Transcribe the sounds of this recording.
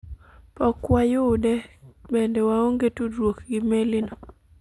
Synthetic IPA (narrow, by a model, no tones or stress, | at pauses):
pɔkwajʊdɛbɛndɛwaoŋɡetudwokɡɪmelɪnɔ